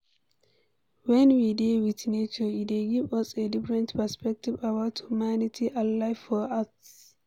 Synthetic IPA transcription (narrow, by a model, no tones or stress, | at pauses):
wɛ̃nwidewitnet͡ʃəideɡivɔsedɪfɹɛ̃ntpɛspɛk̚tivawathumanɪtʰiʔanlaɪfɔas